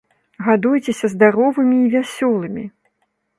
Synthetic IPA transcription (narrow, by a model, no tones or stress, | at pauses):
ɣad̪ujt͡sʲesʲɐzd̪aɾɔvɨmʲiːvʲasʲɔlˠɨmʲi